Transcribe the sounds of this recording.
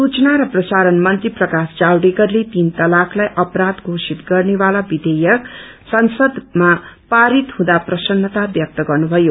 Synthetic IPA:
sut͡snaɾʌprʌsaɾʌnmʌnt̪riprʌkasd͡zawɖekʌrlet̪int̪ʌlakʰlajʔʌpɾat̪ɡʱosit̪ɡʌrnebalabid̪ejʌk | sʌnsʌd̪mapaɾit̪ɦũd̪aprʌsʌnːʌt̪abjʌk̚t̪ʌɡʌrnubʱʌjo

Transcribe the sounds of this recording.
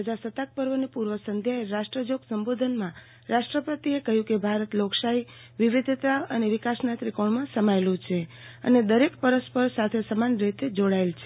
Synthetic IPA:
əd͡ʒasət̪ak̚pəɾʋənipuɾʋəsənd̪ʱjaeɾaʃʈɾəd͡ʒoɡsəmbod̪ʱənmã | ɾaʃʈɾəpət̪iekəɦjũkebʱaɾət̪lokʃai | ʋiʋid̪ʱt̪aəneʋɪkasnat̪ɾikoɳmãsəmaelũt͡ʃʰe | ə̰ned̪əɾekpəɾəspəɾsat̪ʰesəmanɾet̪ed͡ʒoɽaelt͡ʃʰe

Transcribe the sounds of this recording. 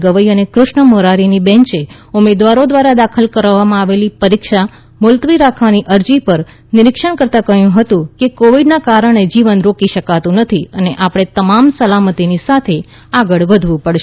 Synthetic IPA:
ɡəʋəiənekɾʊʃɳəmoɾaɾinibɛ̃ɲt͡ʃe | ʊmed̪ʋaɾod̪ʋaɾad̪akʰəlkəɾʋːamãaʋelipəɾikʃa | mʊlt̪ʋiɾakʰʋaniʔəɾd͡ʒipəɾ | nɪɾɪkʃəɳ̃kəɾt̪akəɦjũɦət̪ũkekoʋiɖnakaɾəɽ̃ed͡ʒiʋənɾokiʃəkat̪ũnət̪ʰiəneʔapɽ̃et̪əmamsəlamət̪inisat̪ʰe | aɡəɭʋəd̪ʱʋũpəɽʃ

